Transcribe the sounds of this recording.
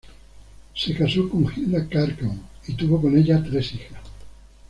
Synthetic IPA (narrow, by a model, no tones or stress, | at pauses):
sekasokoŋxilnakaɾkoŋit̪uβokoneʎat̪ɾesixas